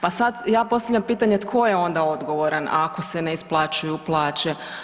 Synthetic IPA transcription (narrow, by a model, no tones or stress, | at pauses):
pasad̪jaːpo̞st̪avʎʲampiːt̪aɲet̪kʰo̞je̞o̞nd̪ao̞d̪ɡo̞ʋo̞ɾanʔa̰ko̞sene̞isplˠaːt͡ʃujuplˠaːt͡ʃe̞